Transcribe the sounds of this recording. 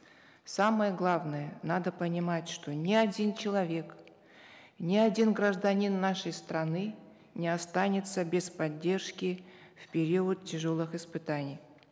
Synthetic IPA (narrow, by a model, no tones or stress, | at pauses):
saməjəɡlˠavnəjənad̪əpənʲɪmatʲʂt̪o̞nʲɪɐdʲint͡ɕɪlˠɐvʲe̞k | nʲɪɐdʲinɡɾəʐd̪ɐnʲinːaʂəjst̪ɾɐnɨ | nʲɪɐst̪anʲɪt̪səbʲɪspɐdʲːe̞rʂkʲɪfpʲɪɾʲiʊət̪̚tʲːɪʐolˠɨxɪspɨt̪anʲɪj